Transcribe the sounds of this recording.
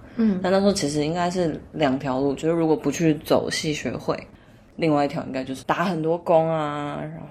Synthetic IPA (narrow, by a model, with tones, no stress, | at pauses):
na˥˧n˥˩ʂ̩˧˥o˥t͡ɕʰi˧˥ʂ̬ɻ̩˧i˥ŋka˥ɪʂɻ̩˥˩ljɑ˨˩ŋt̪ʰjɑ˧˥ʊlu˥˩t͡ɕjo˥˧ʊʂɻ̩˥˩ɻu˧˥kwɔ˨˩pu˧˦˥t͡ɕʰy˥˩t͡so˨˩ʊɕi˥˩ɕɥɛ̰˧˥xwe˥˩ɪ | li˥˧ŋwa˥˧ɪi˥t̪ʰjɑ˧˥ʊḭ˥ŋka˥ɪt͡ɕjo˥˧ʊʂɻ̩˥˩t̪a˨˧˥xə˨˩nt̪wɔ˥kʊ˥ŋa˧ɻa˧˥